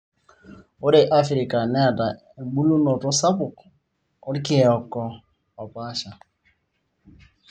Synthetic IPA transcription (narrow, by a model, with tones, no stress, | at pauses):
o˦ɾe˨ʔa˦fɾi˨ka˨ne˦a˨da˨ | e˨ɡ͡bu˦lu˦nɔ˨tɔ˦sa˦pʊ˨k | ɔ˦ɾi˦kɪ˦˨ɔ˨kɔ˦ | ɔ˨pa˦ʃa˨